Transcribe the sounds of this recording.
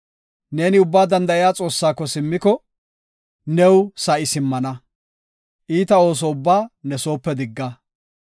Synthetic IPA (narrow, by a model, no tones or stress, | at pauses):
neːnɪʊbːaːd̪ɐnd̪ɐɪjaːt͡sʼo̞ːsːaːkːɔsɪmːɪkɔ | nɛwsɐʔɪsɪmːɐnɐ | ʔiːt̪ɐo̞ːs̬ɔʊbːaːnɛso̞ːpːɛd̪ɪɡːɐ